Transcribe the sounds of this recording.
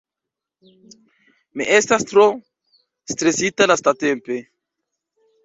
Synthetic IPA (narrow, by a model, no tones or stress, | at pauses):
miʔe̞stastɾo | stɾesitalastate̞mpe̞